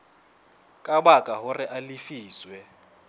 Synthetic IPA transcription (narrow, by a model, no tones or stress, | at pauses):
kʼaɓakʼaɦʊrɪʔalifiːswɛ